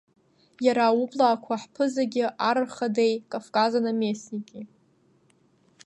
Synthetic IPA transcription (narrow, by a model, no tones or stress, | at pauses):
jaɾaublaːkʷʰaħpʰɨzaɡʲɪʔaɾɨχadejkʼafkʼazanamesnikʲʼi